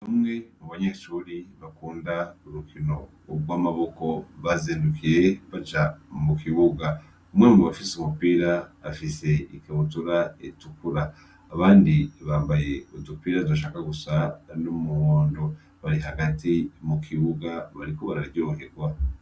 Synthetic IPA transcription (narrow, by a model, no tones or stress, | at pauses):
namŋe̞muβaɲeʃuːɾiβakuːndauɾukʰino̞ | ɡwaːmaβo̞ko̞βaziːndukiɾe̞βat͡ʃamukiβuɡa | umwemoβafisumupiːɾaːfise̞ikaβutuɾaetukuɾaː | βaːndiβaːmbaje̞udupiːɾazoʃ̬aːkaɡusanomuhoːndo | βaɾiɦaɡatimukʰiβuɡaβaɾikoβaɾaɾɟoːŋheɡwa